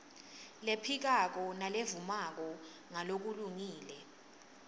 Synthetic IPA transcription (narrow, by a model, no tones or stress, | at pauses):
lepʰik̬ak̬ɔnalevumak̬ɔ | ŋalok̬uluŋiːlɛ